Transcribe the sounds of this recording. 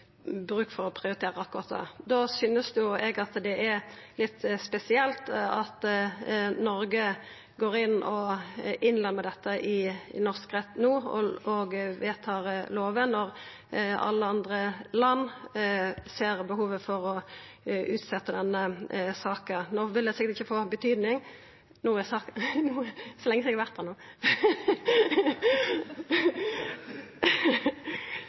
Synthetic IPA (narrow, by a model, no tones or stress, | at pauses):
bɾʉːkfɔʁɔpʰɾɪʊɾɪt̪ʰeːʁəɑkːʊɾɑːt̪d̪ɛ̰d̪ɔsyːnəsd̪jʊɛɡɑt̪d̪ɛʔɛɾlɪt̪ːspɛsɪɛlt̪ɑt̪ | nɔɾɡə | ɡoːɾɪnːʔɔʔɪnlɛmːəd̪ɛt̪ːəʔɪɪ̰nɔʁskʁɛt̪ːnuːɔɡʋeːt̪ʰɑːʁloːʋənɔʁ | ɑ̰lːəɑnd̪ʁəlɑnː | seːʁbəɦuːʋəfɔʁɔ | ʔʉːt̪sɛt̪ːəd̪ɛnːəsɑːkənoːʋɪld̪ɛsɪkːəɾt̪ɪçːəfoːbət̪ʰyːd̪nɪŋ | nuːsɑːnuːsɔlɛŋəsɪɡʋæʁt̪d̪ɛnuː